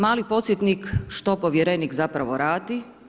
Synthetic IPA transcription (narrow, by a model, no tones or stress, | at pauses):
maːlipo̞t̪sjet̪nikʃt̪opoʋjeɾenikzapɾaʋo̞ɾaːd̪i